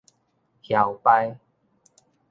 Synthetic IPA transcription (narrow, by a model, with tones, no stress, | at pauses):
hja˨˩wpa˧j